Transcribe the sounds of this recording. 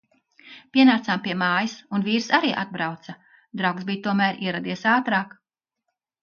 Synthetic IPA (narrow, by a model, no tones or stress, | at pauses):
pʲiɛnaːtsaːmpiɛmaːjisunviːɾsaɾiːʔa̰d̪̚bɾawt̪sɐ | d̪ɾawksbijt̪uɔmæːɾiɛɾad̪iɛsaːt̪ɾaːk